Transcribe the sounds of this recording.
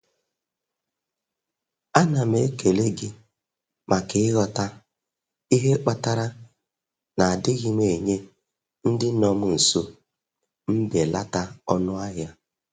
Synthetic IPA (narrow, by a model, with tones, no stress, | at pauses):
a˦na˨me˦ke˨le˦ɡɪ˦ | mʔa˨kɪ˦ɪ˦ɣɔ˦ta˦ | i˦ɦe˦k͡pa˨ta˦ɾa˦ | na˨a˨dɪ˦ɣɪ˦me˨ɲe˦ | n̩˦dɪ˦nɔ˦mʊ˦˨n̩˨so˦ | m̩˦be˨la˦ta˦ɔ˦nʊ˦a˦ɦja˦